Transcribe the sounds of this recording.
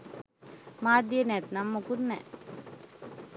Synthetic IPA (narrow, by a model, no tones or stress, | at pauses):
maːd̪jənɛt̪namːokud̪nɛ̰